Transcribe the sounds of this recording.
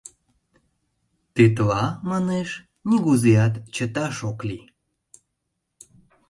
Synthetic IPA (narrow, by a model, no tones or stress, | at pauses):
t̪it̪lɑmɑneʃ | nʲiɣuzeɑt̪t͡ɕət̪ɑʃokli